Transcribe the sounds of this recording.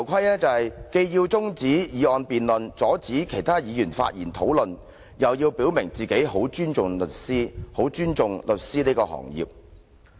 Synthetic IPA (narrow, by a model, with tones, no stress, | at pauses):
t̪ʰɐ˨˩wkʷʰɐ˥jlɛː˥t͡sɐ˨whɐ˨jke˧jjiː˧wt͡sʊ˥ŋt͡siː˨˥jiː˨˧ɔː˧npiː˨nlɵ˨nt͡sɔː˨˥t͡siː˨˥kʰe˨˩jt̪ʰaː˥jiː˨˧jyː˨˩nfa̰ː˧t̚jiː˨˩nt̪ʰo˨˥wlɵ˨n | jɐ˨wjiː˧wpiː˨˥wmɪ˨˩ŋt͡siː˨˩ke˨˥jho˨˥wt͡ʃyː˥nt͡ʃʊ˨ŋlɵ˨˩t̚siː˥ho˨˥wt͡ʃyː˥nt͡sʊ˨ŋlɵ˨t̚siː˥niː˥kɔː˧hɔ̰ː˨˩ŋjḭ˨p̚